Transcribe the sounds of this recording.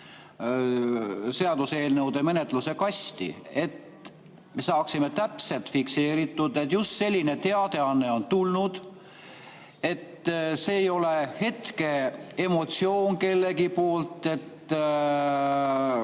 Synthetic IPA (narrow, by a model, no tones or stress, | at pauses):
se̞ɑd̪use̞ːlnɤwd̪̥e̞me̞ne̞t̪ˑluse̞kɑst̪ḭe̞t̪ | me̞sɑːksimet̪æpse̞lt̪fikse̞ːɾit̪ːˑud̪̥et̪just̪se̞lʲːine̞t̪e̞ɑd̪̥e̞ɑnːe̞o̞nt̪ulnud̪̥ | e̞t̪se̞ːjo̞le̞he̞t̪ke̞emo̞t̪sio̞ːnke̞lːe̞ɡipo̞ːlt̪ˑe̞t̪ː